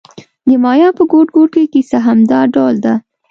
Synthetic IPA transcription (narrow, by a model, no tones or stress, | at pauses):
d̪əmɑjɑpəɡoʈɡoʈ̚kekisaɦamd̪ɑɖɑld̪a